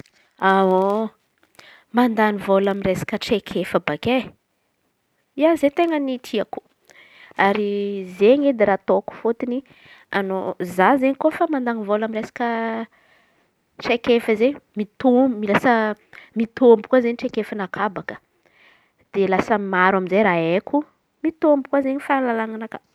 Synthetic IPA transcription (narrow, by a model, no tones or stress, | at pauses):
ao | mand̪anivolaminresḁkəʈ͡ʂekʰefəbake | iazet̪eŋənit̪ʰiaku̥ | aɾizeɲed̪eɾat̪oku̥fot̪ini | anozazeɲikofamand̪anivolaminɾesḁkə | ʈ͡ʂekefəzeɲmit̪ombmilasəmit̪ombukwazeɲiʈ͡ʂekefanakʰabakə̥ | d̪̥elasəmaɾwaminzeɾaekʰu | mit̪ombukwazeɲifalalaŋanaka